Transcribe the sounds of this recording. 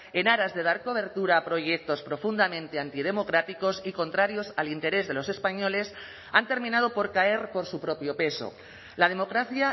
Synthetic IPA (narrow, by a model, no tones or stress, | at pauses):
e̞naɾazðe̞ðaɾko̞β̞e̞ɾt̪uɾaːpɾo̞ʝe̞k̚t̪o̞spɾo̞fund̪amẽ̞nt̪e̞ant̪ið̞e̞mo̞kɾat̪iko̞siko̞nt̪ɾaɾjo̞salint̪e̞ɾe̞zðe̞lo̞se̞spaɲo̞le̞s | ant̪e̞ɾmĩnað̞o̞po̞ɾkae̞ɾpo̞ɾsupɾo̞pjo̞pe̞so̞̰ | lað̞e̞mo̞kɾaθja